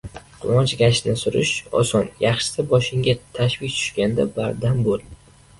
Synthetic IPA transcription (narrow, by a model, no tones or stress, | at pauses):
qʰʊwɒt͡ʃɡʲaʃnɪsʊɾɪ̰ʃɒ̰sɒnjɑχʃɪ̥sabɒʃɪŋɡʲat̪ʰaʃvɪk̚ʲt̪ʰʊ̥ʃkʲand̪abaɾd̪ambolˠ